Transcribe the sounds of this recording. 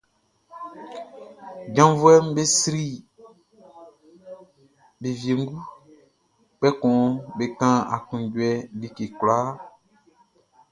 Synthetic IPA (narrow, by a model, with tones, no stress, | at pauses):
ɟã˨˦vu˦ɛ˦mbe˦sɾi˦ | be˨vje˨ŋ˦ɡu˦ | k͡pɛ˦kɔ̃˨be˨kã˦a˨kũ˨ɟwɛ˨li˦ke˨kla˦